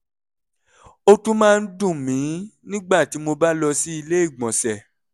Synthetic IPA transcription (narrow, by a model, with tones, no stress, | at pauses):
o˧tũ˦mãː˦˧n̩˦dũ˦˨mĩ˨˦nĩ˦ɡ͡ba˦˨ti˨˦mo˧ba˦lɔ˧si˦i˧le˦i˦˨ɡ͡bɔ̃˨sɛ˨